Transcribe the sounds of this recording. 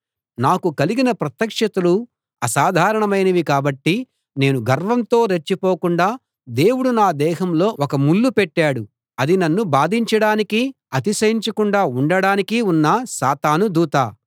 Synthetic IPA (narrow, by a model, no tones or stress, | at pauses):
naːkukɐliɡinɐpɾɐt̪jɐkʂɐt̪ulu | ɐsaːd̪ʱaːɾɐɳɐmɐjnɐʋikaːbɐʈːi | ne̞ːnuɡʱɐɾʋɐnt̪o̞ːɾet͡ʃːipoːkuɳɖaː | d̪e̞ːwuɽunaːd̪ɛːɦɐmlo̞ːɔkɐmulːupɛʈːaːɽu | ɐd̪inɐnːubaːd̪ʱiɲt͡ʃɐɽaːniki | ɐt̪isɐjiɲt͡ʃɐkuɳɖaːuɳɖɐɽaːnikiunːɐsaːt̪aːnud̪uːt̪aː